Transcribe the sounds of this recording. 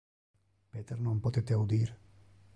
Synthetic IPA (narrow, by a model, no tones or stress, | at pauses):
peːt̪eɾnompot̪et̪eawd̪iːɾ